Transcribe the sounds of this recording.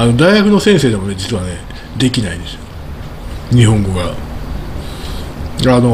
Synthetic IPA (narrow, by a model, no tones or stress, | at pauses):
ano̞d̪aiɡakɯ̟no̞sẽ̞ɰ̃se̞ːd̪emo̞ne̞d͡ʑit͡sɨβane | d̪e̞kʲinaind̪e̞sɨo | ɲ̟iɦõ̞ŋɡo̞ɡa | ano